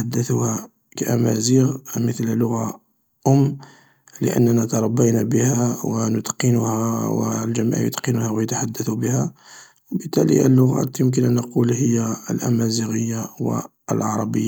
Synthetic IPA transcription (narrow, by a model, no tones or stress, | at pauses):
ħad̪ːəθuhæ | kæʔæmæ̰ziɣmət̪llːʊɣa | ʔʊmː | lə̰ʔə̰nːænæt̪ɑɾˤɑbːinæbəhæwənʊt̪qənʊhæwə̰lʒəmæ̰ʕjʊ̰t̪qənuhæwjət̪aħad̪ːæθubəhæ | wəbət̪ːælḭə̰lːʊɣæ̰t̪jʊmk̬ənʔænːəqulhəjːæəlʔæ̰mæziɣəjːawə̰ | əlʕɑɾˤɑbəjːa